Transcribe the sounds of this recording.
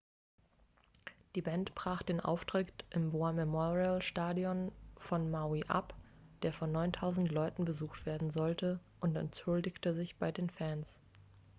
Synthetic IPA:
d̥iːbɛntb̥ʁ̥aːχd̥eːnʔa̰ʊftʁ̥ɪktʔɪmboamɛmɔʁialʃtaːdiɔnfɔnmaiʔa̰p | d̥eːɐfɔnːɔʏntʰaʊzn̩tlɔʏtn̩bəzuːxtv̥eːɐdn̩zɔltəʔʊntɛ̰ntt͡sʊldɪçtəzɪçb̥aɪdeːnfɛns

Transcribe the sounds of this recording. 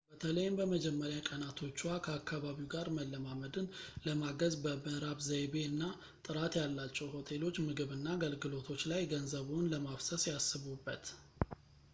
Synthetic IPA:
b̥ət̪ʰələjɪmbəməd͡ʒɛmːəɾjakʼənat̪ʰo̞t͡ʃːwakʰəakːaβaβiɡaɾməlːəmaməd̪ɨnləmaɡəzbəbəɾaβzəjβe̞ɨnːa | t̪ʼɨɾat̪jalːat͡ʃːɛwho̞t̪ʰe̞lo̞t͡ʃːmɨɡɨβɨnːaɡəlɡɨlo̞t̪ʰo̞t͡ʃːlajɡənzəβunləmafsəsjasːɨβubːət̪

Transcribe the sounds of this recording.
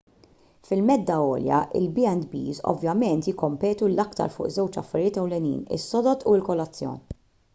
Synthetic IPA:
fɪlmɛd̪ːɐɔ̰ːljɐ̰ʔɪ̰lbiɛnd̪bḭːzɔ̰vjɐmɛnt̪jɪkːɔmpɛːt̪ulɐkt̪ɐ̰ɾfʊ̰ːʔzɛwt͡ʃɐ̰fːɐɾɪjɪːt̪ɛwlɛnḭːnɪ̰sːɔd̪ɔt̪uɪlkɔlːɐt͡sːjɔ̰ːn

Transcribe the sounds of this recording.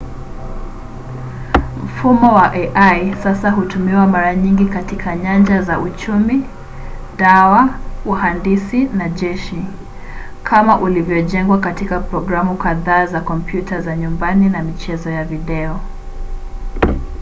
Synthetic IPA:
m̩fumɔwaʔɛʔajsasaɦutumiwamaɾaɲiŋɡikatikʰaɲand͡ʒazaut͡ʃumi | ɗawauhandisinaʄɛʃi | kʰamaʔulivjɔʄɛŋɡwakatikapɾɔɡɾamukaðaːzakɔmpjutʰazaɲumbaninamit͡ʃɛzɔjaviɗɛɔ

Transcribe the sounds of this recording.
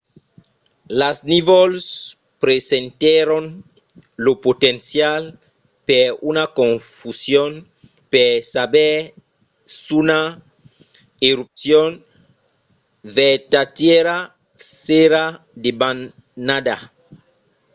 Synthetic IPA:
lasnivols | pɾesent̪eɾon | lopot̪ensjal | peɾunakõɱfusjon | peɾsabeɾ | suna | eɾup̚sjon | vet̪at̪jeɾa | seɾa | d̪eban | nad̪a

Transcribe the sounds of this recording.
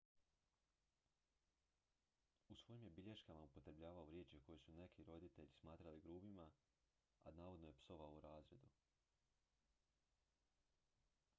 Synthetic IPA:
usʋo̞jimjebiʎe̞ʃkamaupo̞t̪ɾebʎaːʋaoɾje̞ːt͡ʃjeko̞jesune̞kiɾo̞d̪it̪e̞ʎismaːt̪ɾaliɡɾuːbima | a̰naːʋo̞d̪nojepso̞ʋaouɾaːzɾe̞̰d̪u

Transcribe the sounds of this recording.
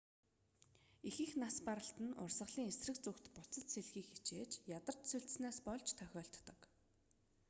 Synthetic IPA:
exɘ̆xnaspaɾə̆ɬt̪ə̆nʊ̰rsə̆χɮiːŋesrɘ̆k̚t͡sukt̪pʊt͡sə̆t̪seɮxiːkxit͡ɕeːt͡ɕjat̪ə̆r̥t̪suɬt̪̆snaːspɔɮt͡ɕʰt̪ʰœxʲɔːɬt̪ːə̆k

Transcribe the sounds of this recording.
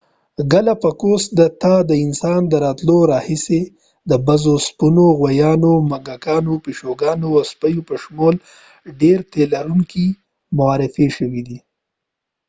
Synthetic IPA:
ɡalapəkosd̪ət̪ɑd̪əɪnsɑnd̪əɾɑt̪loɾɑhise | d̪əbazospunoɣwajɑnomaɡakɑnopiʃoɡɑnoaspajopəʃmol | ɖeɾt̪elaɾuŋki | mʊaɾɪfiʃəwid̪i

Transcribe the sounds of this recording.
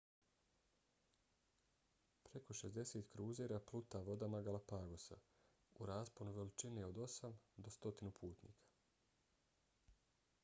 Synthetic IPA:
pɾe̞ko̞ʃe̞zd̪e̞seːt̪kɾuːzeːɾaplˠut̪aʋo̞d̪amaɡalapaɡo̞sa̰ | uɾaːsponuʋe̞lit͡ʃineo̞d̪o̞samd̪o̞st̪o̞t̪inupʰuːt̪nḭːkʰḁ

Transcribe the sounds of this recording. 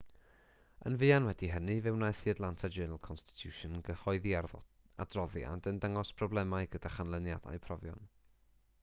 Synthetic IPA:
ə̰nvɨːanwɛdiɦənɨvɛwnajθiədlˠantʰad͡ʒəːnlˠkʰɔnstɪ̥tʰjuːʃɔnɡəhɔɨðiar | a̰drɔðja̰dəndəŋɔspʰrɔblˠɛmaɨɡədaχanlˠənjad̥a̰jpʰrɔvjɔ̰n

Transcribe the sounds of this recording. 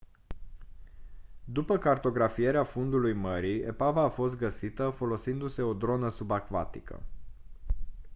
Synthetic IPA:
d̪upəkart̪o̞ɡɾafije̞ɾeafund̪ulujməɾie̞̰pavaːfo̞st̪̚ɡəsit̪əfo̞lo̞sind̪use̞o̞d̪ɾo̞nəsubakva̰t̪ikə̰

